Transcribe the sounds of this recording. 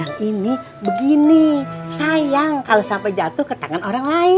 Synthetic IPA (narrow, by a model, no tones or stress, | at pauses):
aŋini | bəɡinisajaŋkalosampajd͡ʒat̪ʊhkət̪aŋanoɾaŋlaɪ